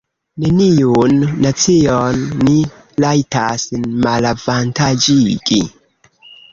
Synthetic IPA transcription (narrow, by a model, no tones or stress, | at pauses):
nenijunːat͡sionːi | lajtasnmalavantad͡ʒiɡi